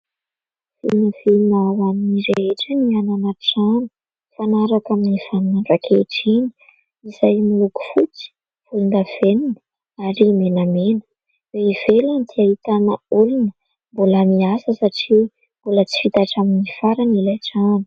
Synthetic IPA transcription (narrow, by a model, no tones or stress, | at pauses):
vḭlnəvilunawaniniɾeeʈ͡ʂəniananaʈ͡ʂani̥ | fanaɾakaminifannaɖ͡ʐakʰeʈ͡ʂini̥ | iz̥ajmiluku̥fut͡si̥ | v̥ulund̪av̥eninə | aɾimenamenə̥ | weivelant̪iaɦit̪anəulunə | mboləmiasəsaʈ͡ʂi | mbolət͡si̥fit̪aʈ͡ʂaminifaɾanilajʈ͡ʂani